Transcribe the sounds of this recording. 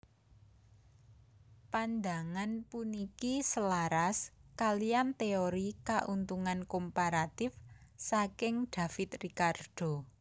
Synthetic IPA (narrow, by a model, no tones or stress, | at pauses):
pand̪aŋanpunikisəlaɾaskalijant̪eoɾikaʔunt̪uŋankompaɾat̪ɪfsakɪŋɖ̪̥ä̤fɪt̪rikard̪̥o̤